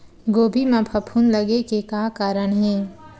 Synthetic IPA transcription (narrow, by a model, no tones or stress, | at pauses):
ɡoːbʱimãpʰɐpʰunləɡekekaːkaːɾəɽ̃ɦɛ̃ː